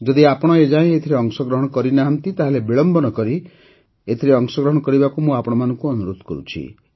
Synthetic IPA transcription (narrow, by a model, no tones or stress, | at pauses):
d͡ʒɔd̪iapɔɽ̃ɔed͡ʒaẽet̪ʰiɾeɔŋsɔɡɾɔɦɔɽ̃ɔkɔɾinaɦant̪it̪aɦelebiɭɔmbɔnɔkɔɾi | et̪ʰiɾeɔŋsɔɡɾɔɦɔɽ̃ɔkɔɾibakumũapɔɽ̃ɔmanɔŋkuɔnuɾot̪ɔ̥kɔɾṵt͡ʃʰḭ